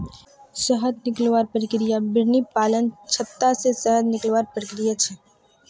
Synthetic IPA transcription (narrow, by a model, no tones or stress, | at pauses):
səɦəd̪nɪklʋaːɾpəɾɪkɾijabɪɾnipaːlənt͡ʃʰət̪ːasesəɦəd̪nɪklʋaːɾpəɾɪkɾijat͡ʃʰɛ